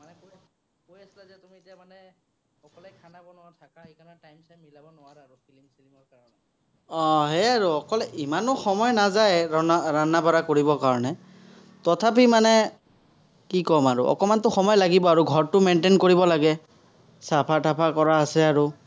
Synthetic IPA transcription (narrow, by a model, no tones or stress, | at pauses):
manɛkoj | kojasilazɛtumietijamanɛ | ɔkɔlɛjkʰanabɔnʊwatʰakaekanatajmsajmilabɔnʊwaɹaɹupʰilimsʰilimɔɹkaɹɔnɛ | ɔ̃ɦɛaɹuɔkɔlɛimanʊxɔmɔjnazajɹɔnaɹanːabɔɹakoɹibɔkaɹɔnɛ | tɔtʰapimanɛ | kikɔmaɹṵʔɔ̰kɔmantʊxɔmɔjlaɡibɔaɹuɡʱɔɹtʊmentenkoɹibɔlaɡɛ | sapʰatʰapʰakɔɹaːsɛaɹu